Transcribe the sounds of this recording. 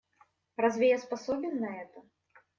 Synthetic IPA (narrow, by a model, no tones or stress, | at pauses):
razʲvʲɛjaspasɔbʲɪnːɐɛt̪ɐ